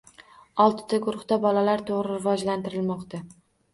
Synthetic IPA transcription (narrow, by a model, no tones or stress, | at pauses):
ɒlˠt̪ʰɪ̥t̪ʰaɡʊɾʊχt̪abɒlalaɾt̪ʰoʁɾɪɾɪvɒd͡ʒlant̪ɪɾɪlmɒqt̪a